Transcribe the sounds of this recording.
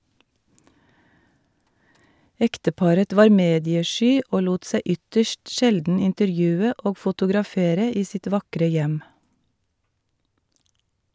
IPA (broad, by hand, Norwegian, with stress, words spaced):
ˈɛktəˌpɑɾət ˈʋɑːɾ ˈmeːdɪəˌʃyː ˈoː ˈluːt ˈsæɪ ˈʏtəʃt ˈʃɛldn̩ ɪntəɾˈjʉːə ˈʔoː fʊtʊɡɾɑˈfeːɾə ˈiː ˈsɪt ˈʋɑkɾə ˈjɛm